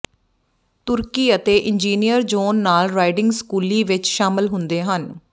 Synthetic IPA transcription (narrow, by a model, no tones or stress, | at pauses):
t̪ʊɾkiːət̪eːʔɪnd͡ʒiːnijəɾd͡ʒoːnːaːlɾaːɪɖɪŋɡskuːliːʋɪt͡ʃʃaːmɪlɦʊnd̪eːɦən